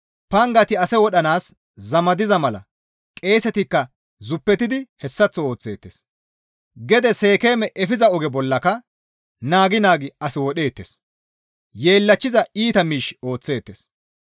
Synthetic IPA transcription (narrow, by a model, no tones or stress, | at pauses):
pɐŋɡɐt̪ɪɐsɛwɔɗɐnaːs | zɐmɐd̪ɪzɐmɐlɐ̰ | kʼe̞ːsɛt̪ɪkːɐ | zʊpːɛt̪ɪd̪ɪhɛsːɐt͡sːɔo̞ːt͡sːe̞ːt̪ːes | ɡɛd̪ɛseːke̞ːmɛʔɛfɪzɐɔɡɛbɔlːɐkɐ | naːɡɪnaːɡɪɐsɪwɔɗe̞ːt̪ːes | je̞ːlːɐt͡ʃːɪzɐiːt̪ɐmiːʃo̞ːt͡sːe̞ːt̪ːes